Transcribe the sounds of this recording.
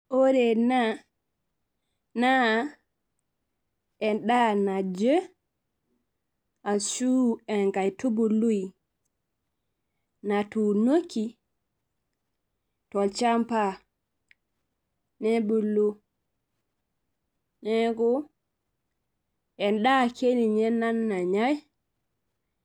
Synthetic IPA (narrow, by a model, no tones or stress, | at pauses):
ʔoɾɛna | na | ɛnɗanad͡ʒə | ʔansuɛnɡajtubulːuj | natunokːi | tɔlt͡ʃampa | nɛbulːu | nɛɡɔ | ʔɛnɗakʰeniɲɛnːanːaɲaj